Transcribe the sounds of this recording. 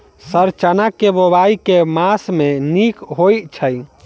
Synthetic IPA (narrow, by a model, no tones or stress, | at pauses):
səɾt͡ʃənakebobaikemasmenikɦojt͡ʃʰəj